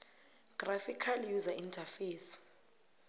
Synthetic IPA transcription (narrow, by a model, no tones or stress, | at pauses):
ɡ̥rafikʰaljuzaintʰʼafeːs